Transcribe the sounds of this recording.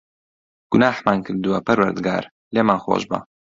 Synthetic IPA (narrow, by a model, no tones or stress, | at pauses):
ɡ̥ʊnaːħmaːnkʰɨɾd̪uwɐpʰɐɾwɐɾd̪ɨɡa̰ːɾ | leːmaːnxo̰ːʒbɐ̰